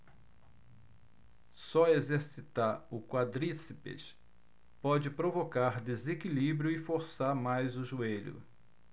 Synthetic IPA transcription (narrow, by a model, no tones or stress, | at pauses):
sɔezeɾsit̪aɾʊkwad̪ɾisipḛʃ | pɔd͡ʒɪpɾovokaɾd̪ezekilibɾjʊɪfoɾsaɾmajzʊʒueʎʊ̰